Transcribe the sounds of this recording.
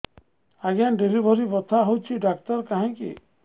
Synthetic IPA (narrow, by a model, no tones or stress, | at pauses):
aɡanɖilibʱɔɾibɔt̪ʰaɦowt͡ʃʰiɖakt̪ɔɾkaɦɛ̃kḭ